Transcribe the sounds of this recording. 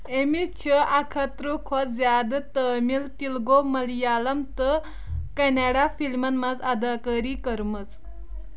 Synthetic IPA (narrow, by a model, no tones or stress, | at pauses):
emit͡ɕʰəʔakʰət̪ɾukʰɔd͡zjad̪t̪əmilt̪ilɡoməljaləmt̪ə | kɛneɽafilmənmad͡zad̪akəɾikəɾmət͡s